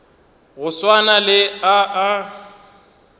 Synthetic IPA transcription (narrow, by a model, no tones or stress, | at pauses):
ɣʊswanalɪaʔː